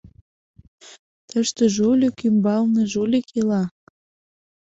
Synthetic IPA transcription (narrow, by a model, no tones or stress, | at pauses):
t̪əʃt̪ə̆ʒulʲokymbɑlnĕʒulʲekʰelɑ